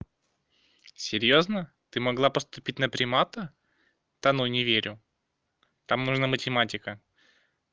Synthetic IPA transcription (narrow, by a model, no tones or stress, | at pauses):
sʲɪɾʲjoznə | t̪ɨmɐɡlˠapəst̪ʊpʲit̚ʲnəpɾʲɪmat̪ə | t̪ɐnojnʲɪvʲeɾʲʊ | t̪amnuʐnamətʲɪmatʲɪkə